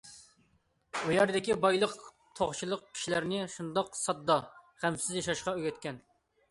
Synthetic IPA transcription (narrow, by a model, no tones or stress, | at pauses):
ujɑɾd̪ɪkʲibɑjlˠəq | t̪ʰoχt͡ʃʰilˠəq̚kʲʰi̥ʃilæɾnɪʃund̪ɑqsɑd̪ːɑχæmsɪzjɑʃɑʃqɑøɡʲɛt̪kʲɛn